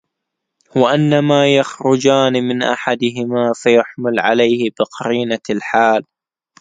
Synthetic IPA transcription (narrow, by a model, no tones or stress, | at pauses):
waʔanːamaːjaxɾʊd͡ʒaːnmɪnʔa̰ħad̪ɪɦɪmaːfajaħmɪlʕalajhɪbɪqɑɾiːnalħaːl